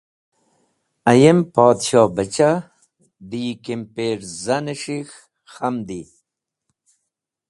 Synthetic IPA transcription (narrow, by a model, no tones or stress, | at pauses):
ɐjempaːd̪ɕɑːbɐt͡ɕa | d̪ikempeːɾzaneʂix | xamd̪i